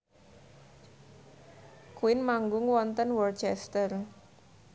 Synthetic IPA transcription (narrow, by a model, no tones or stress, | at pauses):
kuɪnmaŋɡʊŋwɔnt̪ənwɔrt͡ʃɛst̪ər